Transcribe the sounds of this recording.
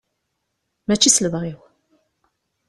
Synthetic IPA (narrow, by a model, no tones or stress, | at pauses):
mæt͡ʃːisləvʁiw